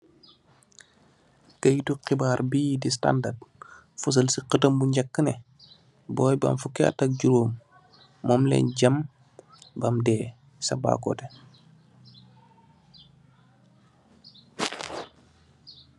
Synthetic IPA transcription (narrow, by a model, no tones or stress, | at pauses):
kɐjtuqibaːrbiːdis̬ta̰ndard̚ | fus̬ɐlsiqətɐmbuɲɟɐkːənɛ | bɔːjbɐ̰mfukːɛɐ̰tɐk̚ɟuɾoːmː | ɔːmlɛ̰ːnɟɐm | bɐmdɛː | sɐba̰ːkɔ̰ːtɛ